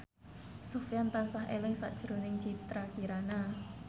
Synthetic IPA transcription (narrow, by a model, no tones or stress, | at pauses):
sofjant̪ansaɦelɪŋsa̰ʔd̥ʒ̥əɾonɪŋt͡ʃit̪ɾakiɾana